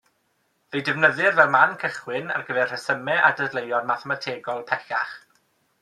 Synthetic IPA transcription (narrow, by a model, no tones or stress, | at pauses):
vejdɪvnəðɨrvɛlˠmankʰəχwɪna̰rɡəvɛrr̥əsəmɛʔadədlˠejɔnmaθɛmatʰeːɡɔlˠpʰɛɬa̰χ